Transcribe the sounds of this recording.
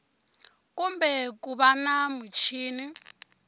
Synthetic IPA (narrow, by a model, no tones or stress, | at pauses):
kumbɛkuβanamut͡ʃʰiːni